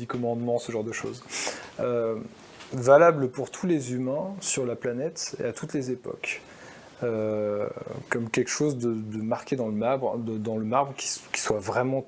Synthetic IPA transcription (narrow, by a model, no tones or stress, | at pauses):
d̪ikɔmɑ̃d̪mɑ̃səʒɑ̃ʁd̪əʃo̰zø | valabləpuʁt̪ʰulezymɛ̃syʁlaplanɛt̪ḛat̪ut̪lezepɔ̰k | ø | kɔmkʲɛlkə̥ʃozd̪əd̪əmaʁkʲed̪ɑ̃ləmabʁd̪d̪ɑ̃ləmaʁbʁəkʲi̥skʲi̥swavʁɛmɑ̃